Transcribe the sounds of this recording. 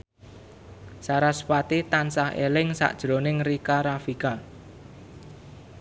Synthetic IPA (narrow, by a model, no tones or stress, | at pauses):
saɾaspat̪it̪ansahḛlɪŋsa̰ʔd̥ʒ̥ɾo̤nɪŋrikaɾafikal